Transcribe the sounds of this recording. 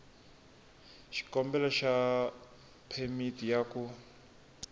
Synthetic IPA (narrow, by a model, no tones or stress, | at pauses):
ʃi̥kɔmbɛlaʃa | pʰɛmitijaku